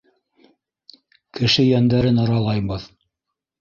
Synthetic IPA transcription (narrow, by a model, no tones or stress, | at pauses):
kɘ̆ʃɘjænd̪æɾɘnɤɾɑlˠɑjbɤð